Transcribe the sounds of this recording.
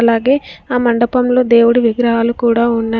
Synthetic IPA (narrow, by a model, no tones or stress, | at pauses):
ɐlaːɡe̞ːaːmɐɳɖɐpɐmlo̞ːd̪e̞ːwuɽuʋiɡɾɐɦaːlukuːɽaːunːaː